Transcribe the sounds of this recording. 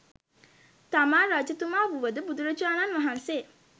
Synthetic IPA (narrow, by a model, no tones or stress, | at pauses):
t̪amaːɾad͡ʒət̪umaːʋuʋəd̪əbud̪uɾət͡ʃuaːnanʋaɦanse